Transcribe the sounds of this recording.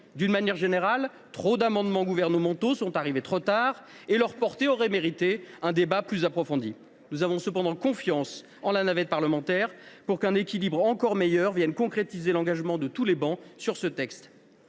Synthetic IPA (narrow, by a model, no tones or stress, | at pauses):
d̪ynmanjɛʁʒeneʁal | t̪χod̪amɑ̃d̪mɑ̃ɡuvɛʁnəmɑ̃t̪osɔ̃t̪aʁivet̪χot̪aʁ | elœʁpɔʁt̪eɔʁɛmeʁit̪eɛ̃d̪ebaplyzapχɔfɔ̃d̪i | nuzavɔ̃səpɑ̃d̪ɑ̃kɔ̃fjɑ̃s | ɑ̃lanavɛt̪̚paʁləmɑ̃t̪ɛʁpuʁkɛ̃nekʲilibʁɑ̃kɔʁmejœʁvjɛnkɔ̃kχet̪izelɑ̃ɡaʒmɑ̃d̪ət̪ulebɑ̃syʁsət̪ɛkst̪